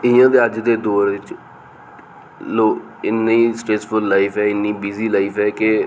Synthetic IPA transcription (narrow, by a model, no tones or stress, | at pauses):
ɪjãːd̪eːəd͡ʒd̪eːd̪oːɾʋɪt͡ʃ | loː | ɪnːiːsʈɾeːspʰʊlːaːɪfʰɛːɪnːĩːbiːziːlaːifʰɛːke